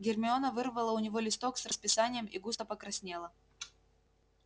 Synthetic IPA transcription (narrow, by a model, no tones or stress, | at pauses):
ɡʲɪrmʲɪonəvɨrvəlˠəʊnʲɪvo̞lʲɪst̪o̞ksrəspʲɪsanʲɪjəmiɡust̪əpəkɾɐsʲnʲelˠə